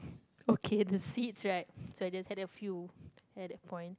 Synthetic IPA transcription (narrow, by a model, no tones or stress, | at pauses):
okʰedəsitsɹaɪt̚soajd͡ʒashɛdəfjuɛt̚dɛt̚pʰɔ̃ɪ̃nt